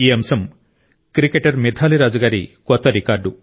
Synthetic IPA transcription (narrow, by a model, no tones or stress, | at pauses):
iːɐmɐsɐm | kɾikeʈɐɾmid̪ʱʰaːliɾaːd͡ʒɐɡaːɾḭkɔt̪ːɐɾikaːɾɖu